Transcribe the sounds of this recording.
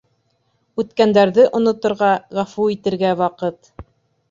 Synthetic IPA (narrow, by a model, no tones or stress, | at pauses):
ʉt̪kænd̪æɾðɘʔŏnŏt̪ŏɾʁɑʁæfuit̪ɘ̆ɾɡæwɑqɤt̪